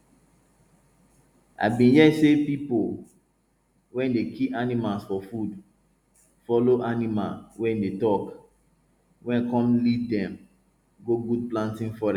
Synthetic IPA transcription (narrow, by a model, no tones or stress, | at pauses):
a̰bĩnjɛsepipol | wɛ̃ndekʰipanimalsfɔfud | fɔloʔanima̰lwɛ̃ndetɔk | wʔɛ̃nkɔ̃mlivdɛ̃m | ɡoɡud̚plãntĩnfɔɾɛ